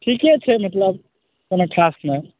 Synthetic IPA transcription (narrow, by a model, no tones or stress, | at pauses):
ʈʰiːkɛt͡ʃʰɛmɐt̪ləb̚ | konaʈʰaːsme